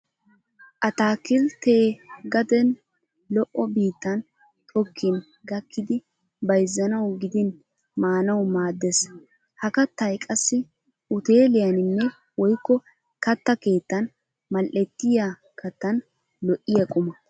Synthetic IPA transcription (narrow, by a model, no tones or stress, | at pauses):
ʔɐt̪aːkɪlt̪eːɡɐd̪ɛn | lɔʔɔbiːt̪ːɐn | t̪ʰʼɔkʰːɪn | ɡɐkːɪd̪ɪ | bɐjzːɐnɐwɡɪd̪ɪn | maːnɐwmaːd̪ːɛs | hɐkɐt̪ːɐjkʼɐsːɪ | ʔʊt̪eːlɪjɐnɪnːɛ | wɔjkːɔ | kɐt̪ːɐke̞ːt̪ːɐn | mɐlʔɛt̪ːɪja | kɐt̪ːɐn | lɔʔːɪjɐkʼʊmɐ